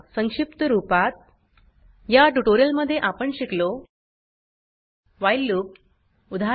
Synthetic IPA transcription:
səŋʂipt̪əɾupat̪̚ | jaʈuʈoɾijəlməd̪ʱːjeʔapəɳɕiklo | ʋajlːuːk̚ | ud̪ʱa

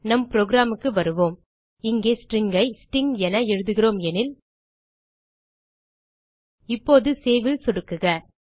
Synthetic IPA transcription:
nɐmpɾoːɡɪɾaːmɯkːɯʋɐɾɯʋoːm | ɪŋɡeːsʈɾɪŋɡɐɪsʈɪŋɡɛnɐɛɻɯðɯɣɪroːmɛnɪl | ɪpːoːðɯseːʋɪlsɔɽɯkːɯɣɐ

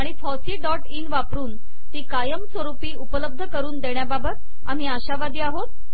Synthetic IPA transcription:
aɽ̃ifɔsiːɖɔʈinʋapɾuːn | t̪iːkajəmsʋəɾupiːupələb̚d̪ʱəkəɾuːnd̪eɳjababət̪ | am̤iːaɕaʋad̪iːaɦot̪̚

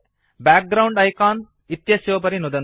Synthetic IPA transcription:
baːk̚ɡɾɐwɳɖɐjkaːn | it̪jɐsjɐʋɐp̬ɐɾinud̪ɐn

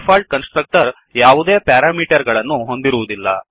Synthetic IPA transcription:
pʰaːlʈ̚kɐnsʈɾɐk̚ʈɐɾ | jaːʋud̪eːpaːɾaːmiːʈɐɾɡɐɭɐnːuɦo̞nd̪iɾuʋud̪ilːɐ̰

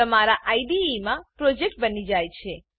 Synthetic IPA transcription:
əmaɾaʔaiɖiimãpɾod͡ʒek̚ʈ̚bənid͡ʒajt͡ʃʰe

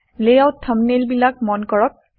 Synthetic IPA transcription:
lejawtʰːəmnelbilak̚mɔnkɔɹɔp̚

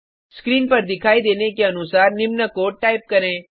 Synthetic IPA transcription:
skɾiːnpɐɾd̪ɪkʰaːid̪eːnekeɐnʊsaːɾnɪmnəkoːʈaːɪp̚kɐɾẽː

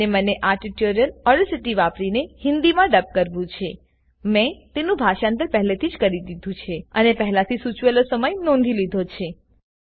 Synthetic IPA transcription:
eməneʔaɾʈiʈjoɾijəlɔɖsiʈiʋapɾinehɪnd̪imãɖəp̚kəɾʋũt͡ʃʰe | mẽt̪enũbʱaʃãnt̪əɾpɛɦlet̪ʰid͡ʒkəɾid̪id̪ʱũt͡ʃʰeənepɛɦlat̪ʰisut͡ʃʋelosəməjnɔ̃nd̪ʱilid̪ʱot͡ʃʰe

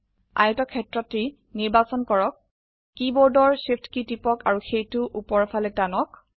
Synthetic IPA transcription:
a̰jɔtɔkʰːɛtɹɔti | niɹbasɔnkɔɹɔkː | ibɔɹdɔɹsifʰtkitipɔkaɹuxejtʊʔupɔɹfʰalɛk̚tanɔk̚

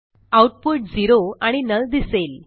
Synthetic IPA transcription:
awʈpuʈ̚d͡ziɾoaɽ̃inəld̪isel

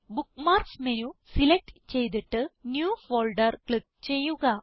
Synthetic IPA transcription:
bukːmaːrksmenusilek̚ʈt͡ɕe̞jt̪̬iʈːɨnjuːfoːlɖɐrkɭik̚t͡ɕe̞jːuɣɐ

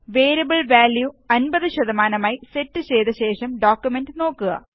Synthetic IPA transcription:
ʋeːɾɐbɐɭʋaːljuɐnbɐðɨɕɐðɐmaːnɐmaːjise̞tːɨt͡ɕejt̪d̪ɐɕeːʂɐmɖoːkːjume̞ndɨno̞ːkːuɣɐ̰

